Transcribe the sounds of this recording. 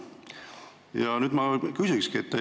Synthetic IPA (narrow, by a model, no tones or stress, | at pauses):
jɑnyːd̪mɑkysʲikskiet̪ːæ